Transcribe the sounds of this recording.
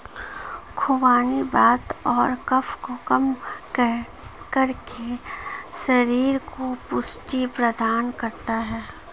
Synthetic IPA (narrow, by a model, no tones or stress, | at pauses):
kʰʊʋaːnibaːt̪ɔːɾkɐfkokɐm | kɐɾkesɐɾiːɾkopʊsʈipɾɐd̪aːnkɐɾt̪aɦɛː